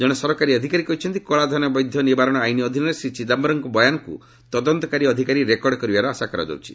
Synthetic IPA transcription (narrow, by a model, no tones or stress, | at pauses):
d͡ʒɔɽ̃esɔɾɔkaɾiɔd̪ʱikaɾikɔɦit͡ʃʰɔnt̪ikɔɭad̪ʱɔnɔbɔjd̪ʱjɔnibaɾɔɽ̃ɔajniɔd̪ʱinɔɾesit͡ʃʰid̪ambɔɾɔŋkɔbɔjanɔkṵ | t̪ɔd̪ɔnt̪ɔkaɾiɔd̪ʱikaɾiɾekɔɾɽɖɔkɔɾibaɾɔasakaɾɔ̰d͡ʒɔ̰wt͡ʃʰi̥